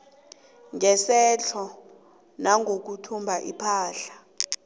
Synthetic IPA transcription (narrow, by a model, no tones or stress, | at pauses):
ŋɛsɛɬʰɔ | naŋʱok̬utʰumbʱaʔipʰaːɬḁ